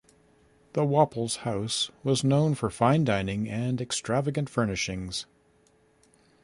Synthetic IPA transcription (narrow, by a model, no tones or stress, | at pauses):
ðəwɑpl̩ˠz̥haʊswʌznõʊ̃nfə˞fãɪ̃ndãɪ̃nɪ̃ŋɨ̃nɨkstɹ̥ævɨɡɨ̃ntfɜ˞nɨʃɪ̃ŋz̥